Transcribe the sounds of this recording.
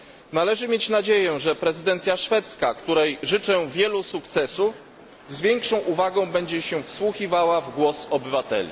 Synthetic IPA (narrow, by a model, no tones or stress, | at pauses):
nalɛʐɘmʲjet͡ɕnad͡ʑejɛ̃ʐɛpɾɛzɘd̪ɛnt̪sʲjaʂfɛt̪skakt̪uɾɛjʐɘt͡ʂɛvʲjɛlusukt̪sɛsuf | zvʲjɛŋkʂɔ̃w̃ʔuvaɡɔ̃w̃bɛɲd͡ʑɛɕɛfswuxivawavɡwɔsɔbɘvat̪ɛ̰lʲḭ